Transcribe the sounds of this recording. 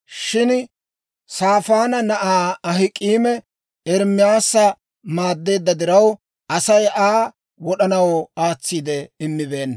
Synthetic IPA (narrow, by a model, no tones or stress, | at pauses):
ʃɪn | saːfaːnɐnɐʔaːɐɦɪkʼiːmɛ | ɛɾmɪjaːsɐ | maːd̪ːe̞ːd̪ːɐd̪ɪɾɐw | ɐsɐjaː | wɔɗɐnɐwɔaːt͡sːiːd̪ɛɪmːɪbe̞ːnː